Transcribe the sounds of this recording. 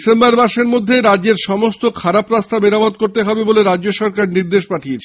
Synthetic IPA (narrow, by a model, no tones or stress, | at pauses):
sembaɾmaʃeɾmod̪ʱːeɾadd͡ʑeɾʃɔmost̪okʰaɾapɾast̪ʰabeɾamod̪̚koɾt̪eɦɔbeboleɾad͡ʑd͡ʑoʃɔɾkaɾniɾd̪eʃpaʈʰiet͡ɕʰ